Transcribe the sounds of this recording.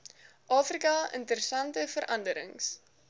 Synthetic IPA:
ʔɑːfrikɐə̰ntəɾəsɐntəfəɾʔɐndəɾə̰ŋs

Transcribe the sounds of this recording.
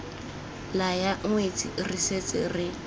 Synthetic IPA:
lajaŋ̩wet͡sʼiriset͡sʼɪrɪ

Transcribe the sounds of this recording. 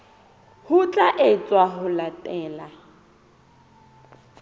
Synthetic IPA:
hʊt͡ɬʼaʔɪt͡sʼwaɦʊlatʼɛːla

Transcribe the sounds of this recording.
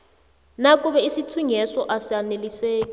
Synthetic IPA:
nak̬ʼuβɛisitʰuɲɛsɔʔasianeliseːkʼi

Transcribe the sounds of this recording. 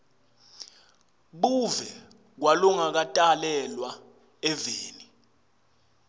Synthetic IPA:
ɓuvɛ | k̬walɔŋak̬atʼalɛlwa | ɛveːni

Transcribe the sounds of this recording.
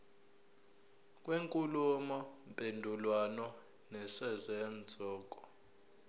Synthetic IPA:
k̬ʼweŋkʼulumɔmpʼendʱulwanɔ | nɛsɛzɛnd͡zʱɔːk̬ʼɔ̥

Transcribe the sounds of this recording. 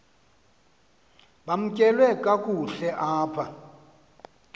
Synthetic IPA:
ɓam̩kʼɛlwɛkʼakʼuɬɛʔaːpʰa

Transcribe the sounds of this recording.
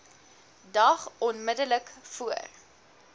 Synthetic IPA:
dɐχɔnmədələkfuə̰r

